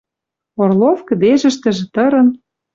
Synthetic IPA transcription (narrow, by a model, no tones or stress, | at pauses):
orlofkə̆d̪eʒɘ̆ʃt̪ɘ̆ʒĕt̪ɤ̆ɾɤ̆n